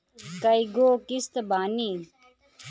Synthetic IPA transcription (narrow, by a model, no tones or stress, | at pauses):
kɐiɡoːkist̪baːniː